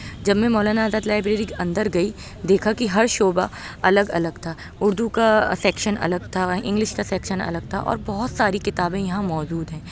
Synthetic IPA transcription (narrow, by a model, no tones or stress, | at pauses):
d͡ʒɐbmẽmɔːlaːnaːzaːd̪laːɪbɾeːɾikɐ̃nd̪əɾɡɐi | d̪eːkʰakiɦɐɾʃoːba | ɐləɡɐləɡt̪ʰaː | ʊɾd̪ukasɛːkʃənɐ̰ləɡ̚t̪ʰaɪ̰̃ŋɡlɪʃkasɛːkʃənɐ̰ləɡ̚t̪ʰa̰ʔɔ̰ːɾbɔɦʊt̪saːɾikɪt̪aːbẽjɐɦãmɔːd͡ʒuːd̪ɦɛ̃ː